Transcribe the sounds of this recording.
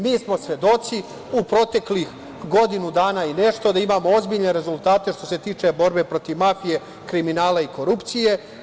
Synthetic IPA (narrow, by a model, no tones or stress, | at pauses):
miːsmo̞sʋe̞d̪o̞t̪si | upɾo̞t̪e̞klix | ɡo̞d̪inud̪aːnaːine̞ʃt̪o̞d̪aimaːmo̞o̞zbiʎne̞ɾe̞zulˠt̪aːt̪e̞ʃt̪o̞se̞t̪iːt͡ʃe̞bo̞ɾbe̞pɾo̞t̪iʋmafije̞ | kɾiminaːlaiko̞ɾupt̪sije̞